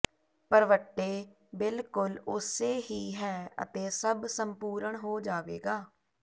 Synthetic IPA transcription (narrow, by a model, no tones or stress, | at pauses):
pəɾʋəʈːeː | bɪlkʊlʊseːɦiːɦɛːə̰t̪eːsəbsəmpuːɾəɳɦoːd͡ʒaːʋḛːɡaː